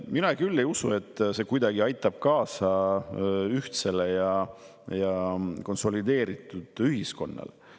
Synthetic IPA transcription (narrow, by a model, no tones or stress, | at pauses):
minɑkylːe̞jusue̞t̪ːˑse̞kujd̪ɑɡiɑjt̪ːˑɑb̥̚kɑːsɑ | yht̪se̞le̞jɑ | jɑko̞nso̞lid̪e̞ːɾit̪ːˑud̪̥yɦisko̞̰nːɑ̰le